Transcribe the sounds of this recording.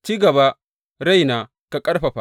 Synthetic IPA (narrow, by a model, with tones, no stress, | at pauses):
t͡ʃiː˦ɡɐ˨ba˦ | ɽa˦˨jnaː˨ | ka˨kʼɐ˦ɽɸɐ˨ɸa˦